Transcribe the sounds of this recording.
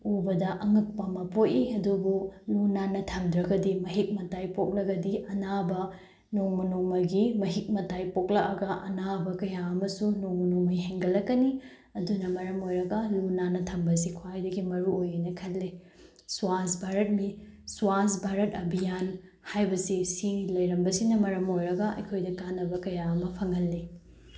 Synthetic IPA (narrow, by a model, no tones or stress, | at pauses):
ubɐdɐʔɐŋɐk̚pɐmɐpotiɐdubulunanɐtʰɐmd̪ɾɐɡɐdimɐɦik̚mɐtajpok̚lɐɡɐdiʔɐnabɐ | noŋmɐnoŋmɐɡimɐɦik̚mɐtajpok̚lɐʔɐɡɐʔɐnabɐkɐjaɐmɐsunoŋmɐnoŋmɐjɦeŋɡɐlːɐkːɐni | ɐdunɐmɐɾɐmojɾɐɡɐlunanɐtʰɐmbɐs̬ikʰwajdɐɡimɐɾuojɐnɐkʰɐt̚le | suasbʱaɾɐt̚misuasbʱaɾɐtɐbʱijan | hajbɐsisilɐjɾɐmbɐsinɐmɐɾɐmojɾɐɡɐɐ̰jkʰojdɐkanːɐbɐkɐjaɐmɐpʰɐŋɐlːi